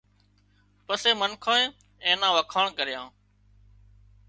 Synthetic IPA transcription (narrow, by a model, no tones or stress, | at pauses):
pəseːmənkʰãːẽː | ẽːnãːʋəkʰaːɳkəɾɪjãː